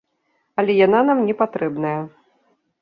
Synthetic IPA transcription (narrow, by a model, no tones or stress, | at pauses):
ɐlʲɛjan̪anamnʲɛpat̪ɾɛbnɐjɐ